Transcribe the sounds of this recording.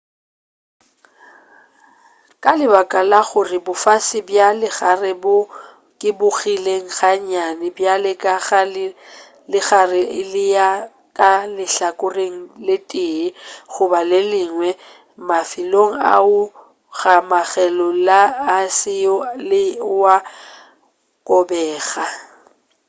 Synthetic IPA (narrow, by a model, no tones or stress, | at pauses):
kʼalɪbakʼalaɣʊrɪbʊfasɪbjalɪɣarɪbʊ | kʼɪbʊɣileŋ̩ɣaɲanɪbjalɪkʼaɣa | lɪɣarɪɪlɪja | kʼalɪɬakʼʊreŋ̩lɪtʼɪɣʊbalɪlɪŋwɛ | mafiloŋ̩a̰ʊ | ɣamaɣɛlɔlaːsɪɔlɪwa | kʼɔbɛːɣa